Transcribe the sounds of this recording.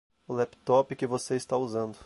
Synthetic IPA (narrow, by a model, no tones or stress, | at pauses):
ʊlɛpt̪ɔpɪkɪvoseɪst̪auzɐ̃nd̪ʊ